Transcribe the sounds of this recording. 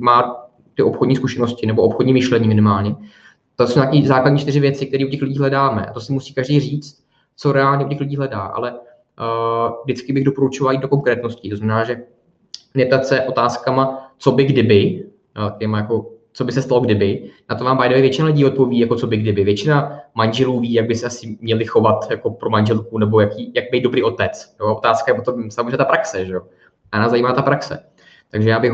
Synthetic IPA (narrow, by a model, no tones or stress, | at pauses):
maː | t̪ɪʔopxodɲiːskuʃɛnoscɪnɛboʔopxodɲiːmɪʃlɛɲiːmɪnɪmaːlɲɛ | t̪osowɲaːkiːzaːkladɲiːt͡ʃt̪ɪr̝ɪvjɛt͡sɪk̚t̪ɛɾiːocɛxlɪɟiːɦlɛdaːmɛ̰ʔa̰t̪osɪmusiːkaʒdejriːt͡st̪̚ | t͡so̞ɾɛaːlɲɛʔucɛxlɪɟiːɦlɛdaːʔa̰lɛ | vdɪt͡skɪbɪɣdo̞poɾut͡ʃovalajiːd̪̚doko̞ŋkɾɛːt̪no̞scɪt̪oznamɛnaːʒɛ | nɛp̚t̪at̪sɛʔo̞t̪aːskamat͡so̞bɪɡdɪbɪ | cɛmajako̞ | t͡so̞bɪsɛst̪alo̞ɡdɪbɪnat̪ovaːmbajdoɛvjɛt͡ʃɪnalɪɟiːo̞t̪̚po̞viːjakot͡so̞bɪɡdɪbɪvjɛt͡ʃɪnamanʒɛluːviːjaɡ̚bɪsɛasɪmɲɛlɪxo̞vat̪jako̞pɾomanʒɛlkunɛbo̞jakiːjaɡ̚bɛejd̪dobɾiːʔo̞t̪ɛt͡sjoaʔot̪aːskajɛpot̪omsamozreɛɲɛt̪apɾaksɛʒɛjo | anaːszaiːmaːt̪apɾaksɛ̰ | t̪aɡʒɛjaːbɪx